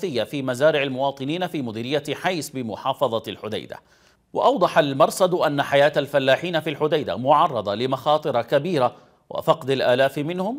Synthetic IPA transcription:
ɪjːafiːmazaːɾɪʕalmʊwɑːt̪ˤɨniːnafiːmʊd̪iːɾɪjːaħajsbɪmʊħɑːfɑðˤɑlħʊd̪a̰jd̪a̰ | wɑ̰ʔɑwd̪ˤɑħalmɑɾˤsad̪ʔanːaħajaːt̪alfalːaːħiːnafiːlħʊd̪ajd̪a̰mʊʕɑrˤːɑd̪ˤɑlɪmɑxɑːt̪ˤɨɾˤɑkabiːɾa | wʔa̰fɑqd̪alʔaːlaːfmɪnhʊm

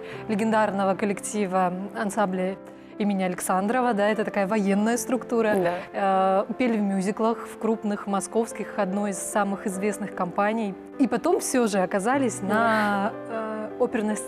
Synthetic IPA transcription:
lʲɪɡʲɪnd̪arnəvəkəlʲɪktʲivəɐnsamblʲɪ | imʲɪnʲɪɐlʲɪksand̪ɾəvəd̪aɛt̪ət̪ɐkajəvɐje̞nːəjəst̪ɾʊkt̪uɾə | pʲelʲɪvmʲjuzʲɪklˠəxfkɾupnɨxmɐsko̞fskʲɪxɐd̪no̞jɪsːamɨxɪzvʲe̞snɨxkɐmpanʲɪj | ipɐt̪o̞mfsʲoʐɨɐkɐzalʲɪsʲnɐ | opʲɪrnəs

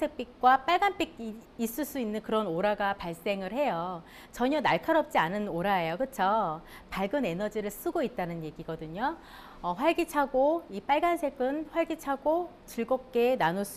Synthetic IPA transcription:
sʰe̞k̚p͈ik̚k͈wap͈aɭɡanp͈ik̚ | is͈ɯɭs͈uinːɯnkɯɾʌnoɾaɡapaɭs͈e̞ŋɯɭhe̞jʌ | t͡ɕʌɲʌnaɭkʰaɾʌp̚t͡ɕ͈ianɯnoɾaejokɯt͡ɕʰʌ | paɭɡɯne̞nʌd͡ʑiɾɯɭs͈uɡoit̚t͈anɯnje̞ɡiɡʌdɯɲo | ʌɸwaɭɡit͡ɕʰaɡoip͈aɭɡansʰe̞ɡɯnɸwaɭɡit͡ɕʰaɡo | t͡ɕɯɭɡop̚k͈e̞nanos͈

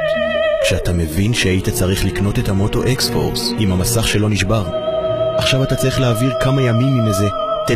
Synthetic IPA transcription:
kʃeatame̞vinʃeajitat͡saʁiχlikno̞te̞thamo̞to̞ʔeksfo̞̰ʁsimamasaχʃe̞lo̞niʃbaʁaχʃavatat͡saʁiχleːviʁkamajamimimeze | t̪e

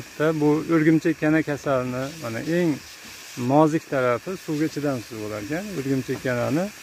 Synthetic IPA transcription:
t̪ʰːabʊɵɾɡʲɪmt͡ʃʰekʲʰːanakʲʰasalɪnɪmana̰ʔe̞ŋ | mɒzɪkʲt̪ʰaɾafɪsuwɡʲat͡ʃʰɪd̪amsɪzbolaɾkʲʰanɵɾɡʲɪmt͡ʃʰekʲːananɪ

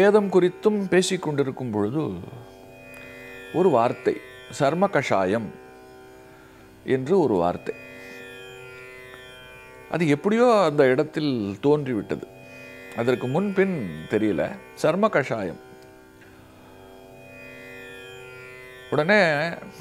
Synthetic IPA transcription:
eːðɐmkʊrɪt̪ːɯmpeːsɪkːɔɳɖɪɾɯkːɯmpɔɻɯðɯ | ɔɾɯʋaːɾt̪ɐɪ | sɐɾmɐkɐʂaːjɐm | ʔɛndrɯɔɾɯʋa̰ːɾt̪ɐɪ | ʔɐ̰ðɯɛpːɐɽɪjoːɐnd̪ɐɪɽɐt̪ːɪlt̪oːndriʋɪʈːɐðɯ | ɐðɐrkɯmʊnpɪnt̪ɛɾɪjɐlɐ̰sɐɾmɐkɐʂaːjɐ̰m | ɔɽɐneː

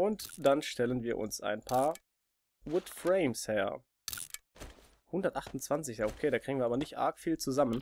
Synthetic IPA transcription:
ʔʊntd̥anʃtɛlənviːɐʔʊ̰nsʔa̰ɪnpʰaːɐ | wʊtfʁeɪmshɛːɐ | hʊndɐtʔaχtʊn̩t͡sv̥ant͡sɪçjaːʔokʰeːdaːkʁ̥iːɡŋ̩viɐːbɐnɪçtʔa̰ɐkfiːlt͡suzamən

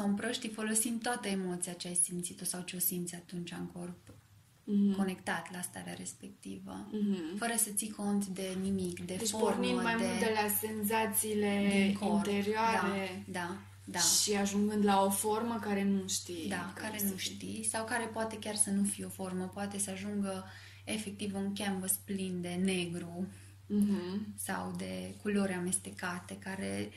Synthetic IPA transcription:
sawumpɾoʃt̪ifo̞lo̞simt̪oat̪əemo̞t̪siat͡ʃeajsimt̪sit̪o̞sawt͡ʃeo̞simt̪sʲat̪unt͡ʃaŋko̞rp̩ | ko̞ne̞kt̪at̪last̪a̰ɾea̰ɾe̞spe̞k̚t̪ivə̰fəɾəsət̪sikʰo̞nt̪d̪e̞nimikd̪e̞d̪eft͡ʃopormnĩməmajmd̪eult̪elase̞nzat̪siːled̪ikoint̪e̞ɾioad̪aɾe̞d̪a | d̪aʃiaʒuŋɡɨnd̪laoforməkaɾe̞nuʃt̪id̪akkaɾe̞nuʃt̪isawkaɾe̞poat̪e̞kʲarsənufijeo̞fo̞rməpoat̪e̞səaʒuŋɡə | e̞fe̞k̚t̪ivunkʲambəsplind̪e̞ne̞ɡɾu | ɦ̩sa̰wd̪e̞kulo̞ɾeame̞st̪e̞kat̪e̞kaɾḛ

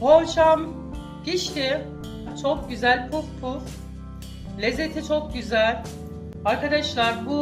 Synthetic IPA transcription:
bot͡ʃam | ɟiʃt̪ʰi | t͡ʃʰok̚ɟyzælʲpʰufpʰuɾ | lʲezːet̪ʰit͡ʃʰok̚ɟyzælʲ | aɾkad̪aʃlˠaɾbu

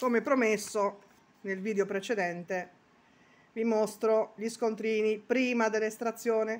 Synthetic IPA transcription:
komepɾomesːo | nelviːd̪eopɾet͡ʃed̪ɛnt̪e | vimost̪ɾoʎiskont̪ɾiːnipɾiːmad̪elːest̪ɾat̪sːjoːne

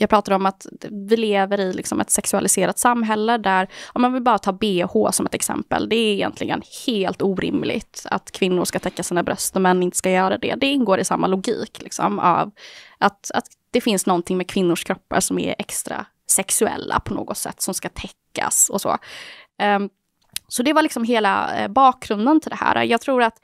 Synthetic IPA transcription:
jɑːɡ̚pʰɾɑːt̪ad̪ɔmat̪vɪleːvəɾɪlɪksɔmʔɛt̪sɛksɵalɪseːɾat̪samːɦɛlːəd̪æɾɑmɛnɔvɪlbɑːɾat̪ʰɑːbeːhoːsɔmɛt̪ɛksɛ̰mpə̰ld̪ɛɾɪjɛ̰nt̪ʰlɪɡə̰nheːlt̪uːɾɪ̰mlɪ̰ɡt̪a̰t̪kʰvɪnːʊɾʂkat̪ʰɛkːasiːnabɾœst̪ɔmɛnːɪnt̪ə̥skajœːɾad̪ɛ̰d̪ɛɪnɡoːɾɪsamːalʊɡḭːklɪksɔ̰ma̰vʔat̪at̪ | d̪̥ɛfɪnsnɔnt̪ʰɪŋmɛkʰvɪnːʊʂkʰɾɔpːa̰ɾʂɔmɛ̰ɾʔɛkst̪ɾa̰ | sɛksɵɛ̰lːa̰pʰɔno̰ːɡɔt̪sɛ̰t̪ːsɔmskat̪ʰɛkːa̰sɔso̰ː | sɔd̪ɛvalɪksɔmɦeːla̰bɑːk̚ɡɾɵnd̪ənt̪ʰɪld̪ɛhæ̰ːɾa̰jɑːɡt̪ʰɾuːɾat̪

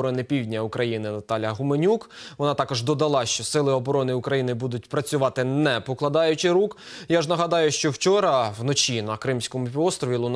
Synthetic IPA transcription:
ɾɔnɪpʲiwdʲnʲɐʊkɾɐjinɪnɐt̪ɑlʲɐɦʊmenʲukʋɔnɑt̪ɑkɔʒd̪ɔd̪ɐlˠɑʃt͡ʃɔsɪlˠɪɔbɔɾɔnɪʊkɾɐjinɪbud̪ʊt̚ʲpɾɐt͡sʲʊʋɑt̪ɪnɛpɔklˠɐd̪ɑjʊt͡ʃɪɾukjaʒnɐɦɐd̪ɑjʊʃt͡ʃɔwt͡ʃɔɾɐwnɔt͡ʃinɐkɾɪmsʲkɔmʊpʲiʋɔst̪ɾɔʋʲilˠʊn

